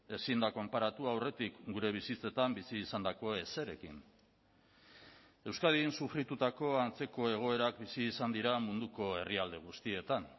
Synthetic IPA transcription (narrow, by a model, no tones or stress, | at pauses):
e̞sind̪ako̞mpaɾat̪uawre̞t̪ikɡuɾe̞β̞isit͡se̞t̪ambisiːsand̪ako̞e̞se̞ɾe̞kḭn | e̞wskaðinsufɾit̪ut̪ako̞ant͡se̞ko̞e̞ɣ̞o̞e̞ɾak̚bisiːsand̪iɾamund̪uko̞e̞riald̪e̞ɣ̞ust̪ie̞t̪an